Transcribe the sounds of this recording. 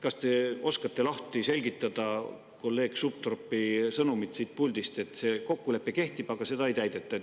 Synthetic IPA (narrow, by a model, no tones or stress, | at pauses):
kɑst̪e̞o̞skɑt̪ːe̞lɑht̪ise̞lʲɡit̪ːˑɑd̪̥ɑ | ko̞lːe̞ːɡ̥sup̚t̪ropːˑisɤnumit̪siːt̪̚pulʲd̪̥ist̪e̞t̪ːse̞ko̞kːule̞pːeke̞ht̪ib̥ɑɡ̥ɑse̞d̪ɑejt̪æjd̪̥e̞t̪ːˑɑ